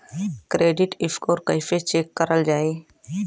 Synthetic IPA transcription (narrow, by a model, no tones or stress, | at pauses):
kɾeːɖɪʈɪfkoːɾkəjfet͡ʃeːkːəɾəld͡ʒaːeː